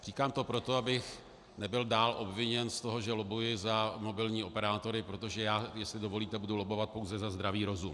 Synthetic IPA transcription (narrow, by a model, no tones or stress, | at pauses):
r̝̥iːkaːmt̪o̞pɾo̞t̪o̞abɪx | nɛbɪldaːlʔo̞bvɪɲɛnst̪o̞ɦo̞ʒɛlobujɪzamo̞bɪlɲiːo̞pɛɾaːt̪o̞ɾɪpɾo̞t̪oʒɛjaːjɛslɪdo̞vo̞liːt̪ɛbudulobo̞vat̪̚powzɛzazd̪ɾaviːɾo̞zum